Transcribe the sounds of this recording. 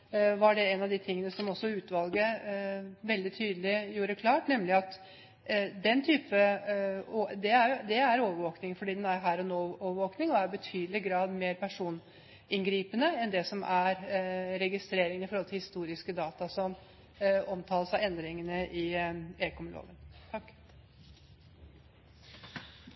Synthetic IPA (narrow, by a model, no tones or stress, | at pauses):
ʋɑɖɛɛnɑʋd̪ɪt̪ʰɪŋːənəsɔmɔsːɔʉːt̪ʋɑlɡə | ʋɛld̪ɪt̪ʰyːd̪əlɪjuːɾəkʰlɑːʈnɛmlɪɑt̪ | d̪ɛnt̪ʰyːpə | od̪ɛæɾd̪ɛæɾoːʋəɾʋoːknɪŋfɔɖiːd̪ɛnæɾɦæːɾɔnoːoːʋəʋoːknɪŋɔæɾbət̪ʰyːd̪əlɪɡɾɑːd̪meːɾpʰæʂuːn | ɪŋɡɾiːpənəɛnd̪ɛsɔmʔæɾɾɛɡɪst̪ɾeːɾɪŋənɪfɔɾhɔlt̪ʰɪhɪst̪uːɾɪskəd̪ɑːt̪ɑsɔm | ɔmt̪ʰɑːləsɑɛnd̪ɾɪŋənəʔɪeːkɔmlo̰ːʋənt̪ʰɑkː